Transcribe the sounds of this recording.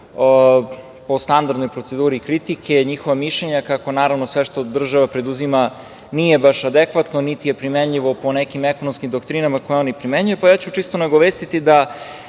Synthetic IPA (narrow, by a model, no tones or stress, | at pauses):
po̞st̪and̪aɾd̪nojpɾo̞t̪sed̪uːɾikɾit̪ikʰe̞ɲixo̞ʋamiʃʎeɲakako̞naːɾavnosʋeʃt̪o̞d̪r̩ʒaʋapɾe̞d̪uzima | nije̞baʃad̪ekʋat̪no̞nit̪ije̞pɾimeɲʎiʋo̞po̞nekimekonomskimd̪okt̪ɾinamako̞jeonipɾimeɲujupajaːt͡ɕut͡ʃist̪onaɡoʋeːst̪it̪id̪a